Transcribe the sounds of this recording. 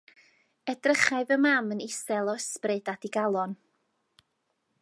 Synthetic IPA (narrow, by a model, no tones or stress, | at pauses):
ɛdrəχaɨvəmamənɪsɛlˠɔɛsprɨdadiɡalˠɔn